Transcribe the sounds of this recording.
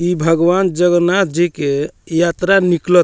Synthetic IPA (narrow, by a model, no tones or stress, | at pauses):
ibʱəɡʋand͡ʒəɡnat̪ʰd͡ʒikejat̪ɾaniklət̪